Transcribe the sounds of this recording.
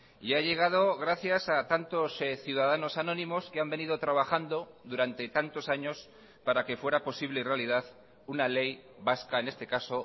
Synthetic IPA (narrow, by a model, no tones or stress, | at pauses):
iaʎe̞ɣ̞að̞o̞ɣɾaθjasat̪ant̪o̞sθjuð̞aðano̞sanõ̞nĩmo̞skeambeniðo̞t̪ɾaβaxand̪o̞ðuɾant̪e̞t̪ant̪o̞saɲo̞s | paɾake̞fwe̞ɾapo̞siβle̞irealiðað | unale̞j | βaskaene̞st̪e̞kaso̞